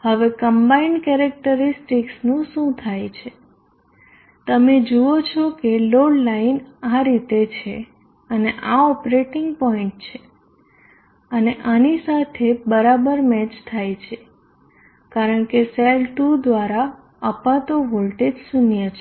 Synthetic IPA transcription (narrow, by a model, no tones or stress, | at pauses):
həʋekəmbainɖkɛɾɛk̚ʈəɾisʈiksnũʃũt̪ʰajt͡ʃʰe | t̪əmed͡ʒuot͡ʃʰɔkeloɽlainaɾit̪et͡ʃʰe | əneʔaɔpɾeʈɪŋɡpɔĩɳʈ̚t͡ʃʰe | əneʔanisat̪ʰebəɾabəɾmɛt͡ʃt̪ʰajt͡ʃʰe | kaɾəɳkeselʈud̪ʋaɾa | əpat̪oɦolʈed͡ʒsunjət͡ʃʰe